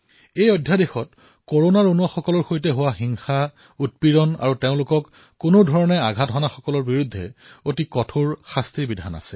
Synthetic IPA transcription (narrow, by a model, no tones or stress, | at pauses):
ejodʱjadexɔt̚ | koɹonaɹonuaxɔkɔlɔɹxojt̬ɛɦʊwaxiŋxa | ut̚piɹɔna̰ɹuteʊ̃lʊkɔkː | ʊnodʱɔɹɔnɛaɡʱatɦɔnaxɔkɔlɔɹbiɹudʱːɛ̰otikɔtʰoɹxastɹibidʱana̰sɛ